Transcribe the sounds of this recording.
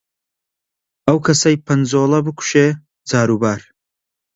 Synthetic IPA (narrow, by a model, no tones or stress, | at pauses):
ɐwkʰɐsɐjpʰɐnzoːlˠɐbɨkʰu̥ʃeː | d͡zaːɾubaːɾ